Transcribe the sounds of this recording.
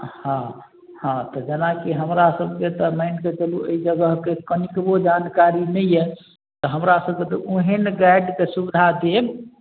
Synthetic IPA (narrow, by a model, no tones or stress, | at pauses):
hã | hãt̪ɔd͡ʒenakiɦəmɾasəb̚ʱket̪ɔməɪnket͡ʃəluʔəid͡ʒəɡəɦkekənikbod͡ʒankaɾinɛjjɛ | t̪ɔɦəmɾasəb̚ket̪ɔʔoɦenɡajɖkesubid̪ʱad̪eb